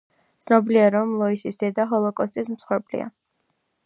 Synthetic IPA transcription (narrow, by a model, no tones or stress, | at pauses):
t̪sʰnɔbiliaɾɔmlˠɔisisd̪ɛd̪aɦɔlˠɔkʼɔst̪ʼis̬msχwɛɾpʼlḭa̰